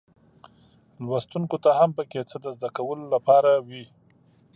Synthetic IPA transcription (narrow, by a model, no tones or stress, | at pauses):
lwast̪unkot̪ahampəket͡səd̪əzd̪akawəlolapɑɾawi